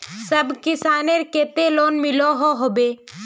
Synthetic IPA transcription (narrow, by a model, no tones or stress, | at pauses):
səbkɪsaːneɾkeːt̪eloːnmɪloɦoɦoːbeː